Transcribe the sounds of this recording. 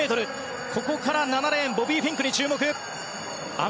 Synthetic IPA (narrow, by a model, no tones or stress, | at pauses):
et̪oɾɯt̪̚ | kʰok̚p͈ʰokʰaɾanːanaɾaenbobipʰiŋkʰɯnit͡ɕʰɯɭmokɯp̚ | a̰